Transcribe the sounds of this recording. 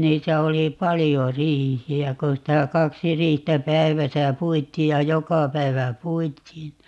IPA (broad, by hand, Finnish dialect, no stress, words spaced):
niːtæ oli pɑlijo riːhiæ kon sitæ kɑksi riːhtæ pæiʋæsæ puitˑiː jɑ jokɑ pæi̯ʋæ puitˑiːn